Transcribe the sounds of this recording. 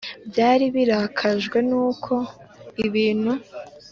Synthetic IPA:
bjaːɾiβiɾakʰaʒɡwe̞nuːkʰo̞iβiːn̥hu

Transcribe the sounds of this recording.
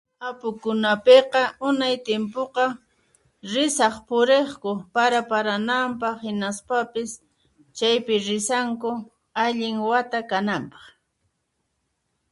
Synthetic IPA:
apʊkʊnapeqɑʊnajt̪ɪmpoqɑ | ɾɪsɑχpʊɾeχkʊpaɾapaɾanampɑχhɪnaspapɪs | t͡ʃajpɪɾɪsaŋkʊ | aʎɪŋwat̪akanampɑ̥χ

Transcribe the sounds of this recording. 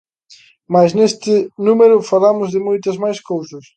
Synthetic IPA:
majsnest̪ɪnumeɾʊfalamʊzðɪmojt̪ɐzmajskowsɐs

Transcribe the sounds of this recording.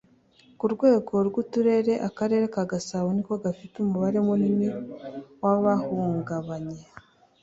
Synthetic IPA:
kuɾɡwe̞ːɡo̞ɾɡutuɾe̞ɾe̞ʔakaɾe̞ɾe̞kaɡasawonikoɡafitumuβaɾe̞munimiwaβahuːŋɡaβaɲe

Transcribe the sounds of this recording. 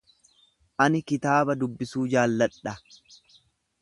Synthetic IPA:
ʔɐnɪkɪt̪aːbɐd̪ʊbːɪsuːd͡ʒaːlːɐᶑɐ

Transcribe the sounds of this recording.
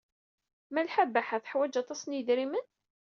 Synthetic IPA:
mælħabːaħaθə̥ħwæd͡ʒɑt̪ˤɑsənjəðɾimən

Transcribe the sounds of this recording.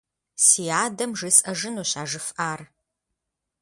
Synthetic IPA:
siːaːdɐmʐɨsʼɐʒɨnuːɕaːʐɨfʔaːr

